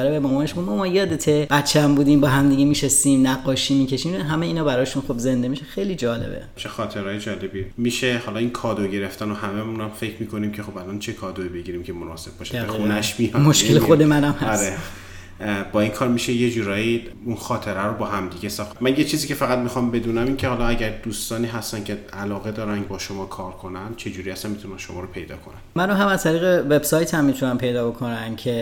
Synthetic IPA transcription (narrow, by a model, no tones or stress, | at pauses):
ɾebemɒːmɒːeʃmumɒmɒjɒːd̪et̪ʰeb̥æt̪t͡ʃʰːeæmbuːd̪imbɒːɦæmd̪iɟemiʃost̪imnæɡːɒːʃiːmicʰeʃimɦæmeiːnɒːbæɾɒːʃunxo̞bze̞nd̪emiʃexejlid͡ʒɒːlḛbḛt͡ʃʰexɒːt̪ʰe̞ɾɒːjed͡ʒɒːle̞bimiːʃehɒlɒinkʰɒːd̪oɟe̞ɾe̞ft̪ænohæmemunæmfe̞cʰmiːkʰo̞nimcʲʰexo̞bælɒnt͡ʃʰe̞kʰɒːd̪oibe̞ɟiːɾiːmcʰemonɒːse̞b̚bɒʃiunæʃmijɒmoʃkelexo̞d̪emænæmhæɾe | bɒːiːnkʰɒːɾmiʃeje̞d͡ʒuːɾɒːji | unxɒːt̪ʰe̞ɾæɾobɒːɦæmd̪iɡesæmænjet͡ʃʰiziːcʰe̞fæɣæd̪̚mixɒmbe̞d̪uːnæmiːncʰehɒːlɒæɟæɾd̪uːst̪ɒːniːɦæst̪æncʰʲe̞ælɒːɣe̞d̪ɒːɾænbɒːʃomɒːkʰɒːɾkʰo̞næmt͡ʃʰe̞d͡ʒuːɾiːæst̪ænmit̪unænʃomɒːɾopʰe̞jd̪ɒ̰ːkʰo̞nænmænoɦæmæzt̪ʰæɾiːɣeve̞bsɒːjt̪ʰhæmːit̪ʰunæmpʰe̞jd̪ɒːbokʰonæncʰe̞